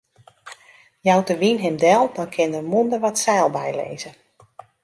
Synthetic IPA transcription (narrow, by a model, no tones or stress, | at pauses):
jawtəʋinɦɪmdɛlˠdɔnkʰɪndərmuəndəʋɔtsɛːlˠbɛjlḛːzə